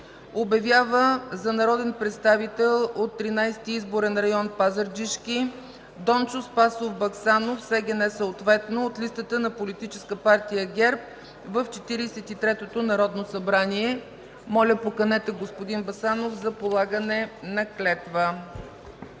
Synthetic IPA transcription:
objɐvʲjavəzɐnɐɾɔd̪ɛnpɾɛt̪st̪avit̪ɛlˠot̪ːɾinajst̪iizboɾɛnɾɐjɔnpazəɾd͡ʒiʃkʲi | d̪ɔnt͡ʃospasofbɐksanofsɛɡɛnɛsəot̪vɛt̪noːt̪list̪ət̪ənɐpolit̪it͡ʃɛ̥skəpaɾt̪ijəɡʲɛɾp̚ | vəft͡ʃɛt̪iɾisɛt̪it̪ɾɛt̪ot̪onɐɾɔd̪nosɐbɾaniɛ | mɔlʲəpokɐnɛt̪ɛɡospod̪inbɐsanofzɐpolˠaɡənɛnɐklɛt̪və

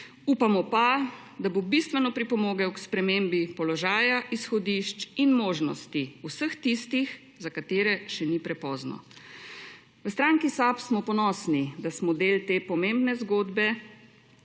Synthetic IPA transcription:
uːpamɔpa | d̪abobist̪ʋɛnɔpɾipɔmoːɡawkspɾɛmembipɔlɔʒaːjaʔisxɔd̪iʃt͡ʃinmoːʒnɔ̰st̪iusəxt̪ist̪ix | zakat̪eːɾɛʃɛnipɾɛpɔːznɔ̰ | ʋəst̪ɾaːŋkisapsmɔpɔnɔsnid̪asmɔd̪eːlt̪eːpɔmembnɛzɡoːd̪bɛ

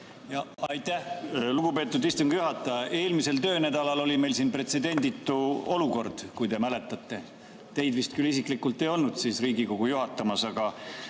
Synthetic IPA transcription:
jɑɑjt̪ːˑæhluɡupe̞ːt̪ːˑud̪ist̪uŋɡ̥juɦɑt̪ːˑɑjɑʔe̞ːlmise̞lt̪ø̞ːnæd̪ɑlɑlo̞lʲime̞jlsiːnpre̞t̪se̞d̪e̞nd̪it̪ːˑuo̞luko̞rd̪̥kujd̪e̞mæle̞t̪ːˑɑt̪ːˑe̞ | t̪e̞jd̪vist̪kylis̬iklikːˑult̪ːˑe̞jo̞lnud̪̥sisriːɡiko̞ɡ̥ujuɦɑt̪ːˑɑmɑsɑɡ̥ɑ

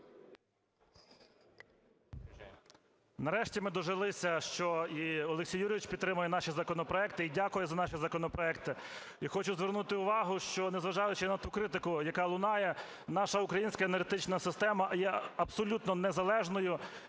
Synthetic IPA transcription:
nɐɾɛʃtʲimɪd̪ɔʒɪlˠɪsʲɐʃt͡ʃɔiɔlˠeksʲijːuɾʲɪʋʲit͡ʃpʲid̪ːɾɪmʊjɛnɑʃizɐkɔnɔpɾɔɛk̚t̪ɪidʲakʊjɛzɐnɑʃizɐkɔnɔpɾɔɛk̚t̪ɪ | ixɔt͡ʃʊzʋernut̪ɪʊʋɑɦʊʃt͡ʃɔnezʋɐʒɑjʊt͡ʃɪnɐt̪ukɾɪt̪ɪkʊjɐkɑlˠʊnɑjɛ | nɑʃɐʊkɾɐjinʲsʲkɐenerɦet̪ɪt͡ʃnɐsɪst̪ɛmɐjɛɐbsɔlʲut̪nɔnezɐlˠɛʒnɔjʊ

